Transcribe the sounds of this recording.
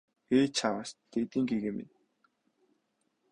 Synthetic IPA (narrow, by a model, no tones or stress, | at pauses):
eːt͡ɕʰawəst̪et̪iːŋɡeɣemɪ̰n